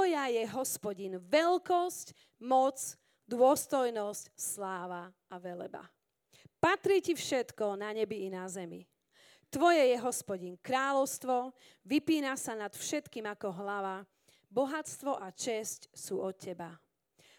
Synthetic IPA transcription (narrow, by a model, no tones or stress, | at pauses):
ɔjajɛɦɔspɔɟinʋɛlkɔsc | mɔt͡s | d̪ʊɔst̪ɔjnɔscslaːʋa | aʋɛlɛ̰ba̰ | pat̪ɾiːcifʃɛt̪kɔnaɲɛbiːnazɛmḭ | t̪ʋɔjɛjɛɦɔspɔɟinkɾaːlɔʊst̪ʋɔ | ʋipiːnasanat̪fʃɛt̪kiːmakɔɦlaʋa | bɔɦat͡st̪ʋɔʔat͡ʃɛscsuːɔt̪̚cːɛba